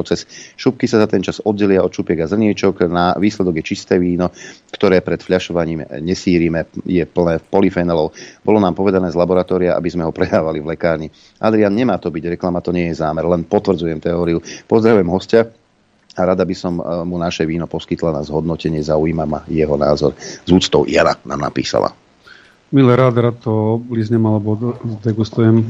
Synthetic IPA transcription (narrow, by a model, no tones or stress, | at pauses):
t͡sɛsʃup̚kisazat̪ɛnt͡ʃazɔd̪̚ɟːɛlɪaɔt̪ʃupɪɛɡazr̩ɲɛt͡ʃɔknaʋiːslɛd̪ɔɡjɛt͡ʃist̪ɛːʋiːnɔkt̪ɔɾɛːpɾɛt̪fʎaʃɔʋaɲiːmɲɛsiːɾimɛjɛpl̩nɛːpɔlifɛjnalɔʊbɔlɔnaːmpɔʋɛd̪anɛːzlabɔɾat̪ɔːɾiaʔa̰bizmɛɦɔpɾɛd̪aːʋalivlɛkaːɾɲi | ʔad̪ɾianɲɛmaːt̪ɔbiɟɾɛklamat̪ɔɲɪɛjɛzaːmɛɾlɛnpɔt̪ʋr̩d͡zujɛmt̪ɛɔːɾiupɔzd̪ɾaʋujɛmɦɔsca | aɾad̪abisɔmːunaʃɛʋiːnɔpɔskit̪lanazɦɔd̪nɔcɛɲɪɛzaujiːmama̰jɛɦɔna̰ːzɔ̰ɾzuːt͡st̪ɔʊʔjana̰na̰ːmna̰pḭːsa̰la̰ | milɛɾaːd̪ɾatt̪ːɔblizɲɛmalɛbɔzd̪ɛɡust̪ujɛm